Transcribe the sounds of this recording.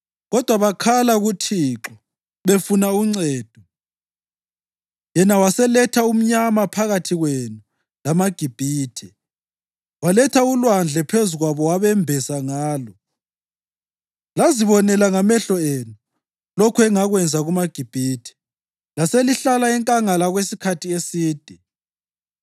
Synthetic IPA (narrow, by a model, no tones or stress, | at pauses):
ɣɔd̥ʱwaβakʰalaɣutʰiːǁɔ | βefunauŋ͡ǀɛːd̥ʱɔ | jɛnawasɛlɛtʰaum̩ɲamapʰaɣatʰiɣwenu | lamaɡ̥ʱib̥ʱiːtʰɛ | walɛtʰaulwand͡ɮʱɛpʰezuɣwaβɔwaβɛmbʱɛsaŋaːlɔ | laziβɔnɛlaŋamɛɬɔenu | lokʰuɛŋaɣwɛnd͡zʱaɣumaɡ̥ʱib̥ʱiːtʰɛ̥ | laseliɬalaɛŋkʼaŋalaɣwesikʰatʰiesiːd̥ʱɛ